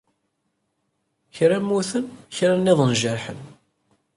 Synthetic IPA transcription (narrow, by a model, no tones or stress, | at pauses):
çɾæmːuθənçɾanːɪðˤənʒəɾħə̰n